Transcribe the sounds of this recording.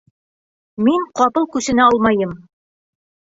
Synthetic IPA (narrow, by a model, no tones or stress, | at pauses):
miŋqɒpɤlˠkʉsɘ̆næɒlˠmɑjɤm